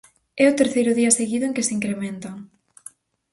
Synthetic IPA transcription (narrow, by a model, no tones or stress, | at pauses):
ɛʊt̪eɾθejɾʊðiɐseɣiðʊeŋkɪsiŋkɾemẽnt̪aŋ